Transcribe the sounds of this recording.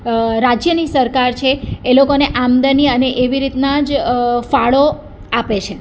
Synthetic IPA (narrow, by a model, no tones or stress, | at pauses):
ɾad͡ʒjənisəɾkaɾt͡ʃʰeːlokoneʔamd̪əniəneʔeʋiɾit̪nad͡ʒfaɭo | apet͡ʃʰe